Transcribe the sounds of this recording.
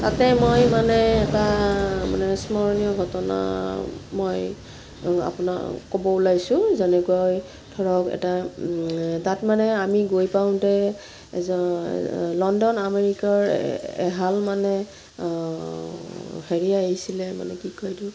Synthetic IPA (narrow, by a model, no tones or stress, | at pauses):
tatɛmojmanɛɛtama̰nɛsmɔɹnijɔɡʱɔtɔna̰moj | a̰puna̰kɔbɔulajsʊ̃zɛnɛkuaj | tʰɔɹɔkɛ̰ta | tatmanɛamiɡojpawʊ̃tɛ | zɔ̰ | lɔndɔnameɹikaɹɛ̰ɦalmanɛ | heɹiaeɦisilɛma̰nɛkikɔjdʊ